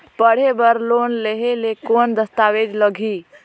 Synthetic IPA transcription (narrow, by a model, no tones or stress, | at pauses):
pəɽ̤ebəɾlonleɦelekond̪əst̪awed͡ʒ̪ləɡʱi